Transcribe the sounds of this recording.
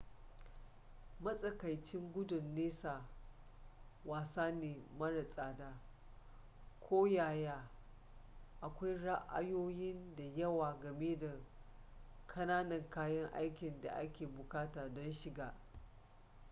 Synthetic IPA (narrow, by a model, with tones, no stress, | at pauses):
mɐ˦sʼɐ˨ka˨jt͡ʃɪ˦ŋɡʷʊ˦dʊ˨nːeː˦sa˨ | waː˨saː˦neː˨mɐ˦ɽa˨sʼaː˨daː˦ | kʷʰoː˦jaː˨jaː˦ | ʔa˨kʷa˦jɽa˦ʔa̰˦joː˦jɪ˦nda˨jɐ˦waː˨ɡɐ˨meː˦da˨ | kʰɐ˦naː˦nɐ˨ŋkaː˦jɐ˦ŋʔa̰˦jkʲɪ˨nda̰˨ʔa̰˦kʲeː˨bʊ˨kaː˦taː˨dɔ˦nʃɪ˨ɡaː˨